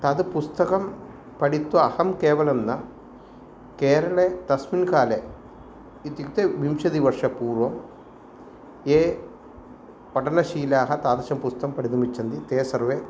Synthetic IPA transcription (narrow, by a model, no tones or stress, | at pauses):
t̪ɐd̪pust̪ɐkɐm | pɐɽit̪ɐɐhɐmkɛːʋɐlɐmnɐ | keːɾɐɭet̪ɐsminkaːle | it̪ikt̪eʋimʃɐd̪iʋɐɾʂɐpuːɾʋɐm | eː | pɐʈɐɳɐʃiːlaːɦɐt̪aːd̪ɐʃɐmpust̪ɐkɐmpɐɽid̪ɐmit͡ʃːɐnd̪it̪eːsɐɾʋeː